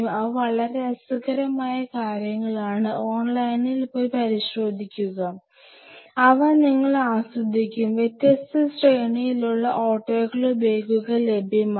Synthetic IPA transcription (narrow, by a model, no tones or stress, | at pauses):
mɐʋɐɭɐɾeɐsukɐɾɐmaːjɐkaːɾjɐŋːɐɭaːɳɨʔo̞ːnlɐjnilpo̞ːjpɐɾiɕro̞ːd̪ʱikʲːuɣɐ | ɐʋɐniŋːɐɭaːsrɐd̪ʱːikʲːumʋje̞t̪jɐst̪ɐsreːɳijiluɭːɐʔoːʈːo̞ːɣɐɭube̞ːɡuɣɐle̞bʱɐm